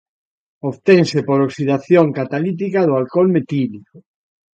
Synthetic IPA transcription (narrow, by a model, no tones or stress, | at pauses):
oβt̪ẽŋsepoɾoksiðaθjoŋkat̪alit̪̬ikaðʊalkolmet̪ilikʊ